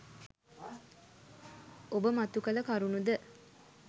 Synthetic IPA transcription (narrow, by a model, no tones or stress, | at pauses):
obəmat̪ukələkaɾunud̪ə